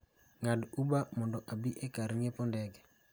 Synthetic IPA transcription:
ŋadubamɔndɔʔabiʔekaɾŋepɔndɛɡɛ

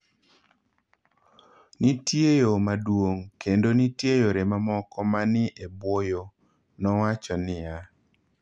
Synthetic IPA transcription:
nitjejomadwoŋkendonitjejoɾemamɔkɔmanɪʔebwojo | nɔwat͡ʃɔnɪja

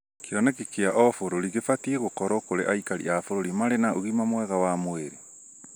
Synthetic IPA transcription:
keɔnɛkekeaʔɔfoɾoɾiɣefatieɣokɔɾɔkoɾḛʔaikaɾḭafoɾoɾimaɾenaoɣimamwɛɣawamweɾe

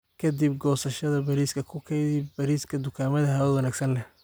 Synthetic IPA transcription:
kʰɐd̪ib̚ɡɔːsɐʃɐðɐbɐɾiːskʰɐkʰʊkʰɐdibɐɾiːskʰɐd̪ʊkʰaːmɐðɐɦɐʊwɐnaːɡsɐnlɛh

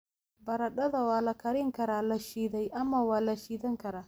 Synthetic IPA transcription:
bɐɾɐɗɐdawaːlɐkɐɾɪŋkɐɾaːlɐʃidajʔamawaːlɐʃiːdɐŋkɐɾa

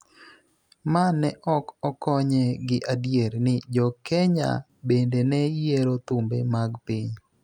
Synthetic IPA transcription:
manɛʔɔkɔkɔɲɛɡɪʔadjeɾnɪd͡ʒɔkɛɲa̰ | bendenɛjeɾot̪ʊmbḛmaɡpɪɲ

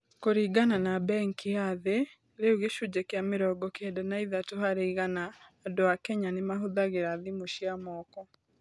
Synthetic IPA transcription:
koɾiːɡananabɛŋkiaðe | ɾeuɣeʃud͡ʑɛkeameɾɔɡɔkeɛdɛnaiðatohaɾeiɣanaːdoakɛɲanemaɦoðaɣeɾaðimoʃiamɔkɔ

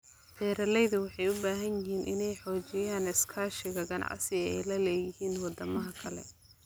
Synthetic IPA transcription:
t̪ʰɛːɾɐlɛjðʊwɑħɑjʊbaːɦɐnjɪɦiːnʔɪ̰nɛjħɔːt͡ʃɛjaːnɪskʰaːʃɪɣɐɡɐnɑ̰ʕsɪɐɛ̰jlɐlɛːjɪhiːnwɑd̪ɐmɐɦɐkʰɐlɛ̰

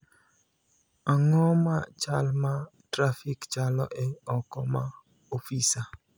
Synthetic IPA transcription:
aŋɔmat͡ʃalmatɾafikt͡ʃalɔ̰ʔɪɔkɔma | ofisa

